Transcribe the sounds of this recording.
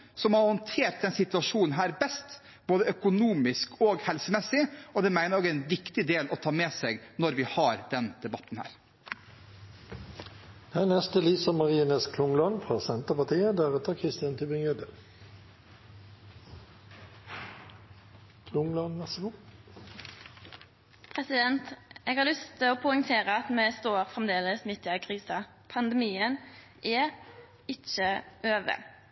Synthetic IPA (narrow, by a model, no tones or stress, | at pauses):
sɔmhɑhɔnt̪ʰeːɾt̪̚d̪ɛnsɪt̪ʉɑʃuːnn̩ɦæːɾbɛst̪ | b̥oːd̪əœkʊnuːmɪskoːɡhɛlsəmɛsːɪɔd̪ɛmæɪnəɾoːɡænʋɪkt̪ɪd̪eːlʔɔt̪ʰɑːmeːseːɡnɔɾʋɪhɑɾd̪ɛnd̪̥ɛbɑt̪ːn̩hæ̰ːɾ | d̪ɛnɛst̪əliːsəmɑʁiːnəskʰlʊŋlɔnfʁɑːsɛnt̪əpɑt̪iːəd̪æːʁɛt̪əkʰʁɪst̪ɪjɑnt̪ʰʉːbɪŋød̪ə | kʰlʊŋlɔnʋɛʁsəɡʊ | pʰʁɛsɪd̪ɛnt̪ʔeːɡhɑʁlʏst̪ʰɪoːpʰʊʏŋt̪ʰeːʁəɑt̪mɛːst̪oːʁfʁɛmd̪eːləsmɪt̪ɪɑkʰʁiːsɑ | pʰɑnd̪ɛmiːən | ʔɛ | ɪt͡ʃəʔøːʋə̰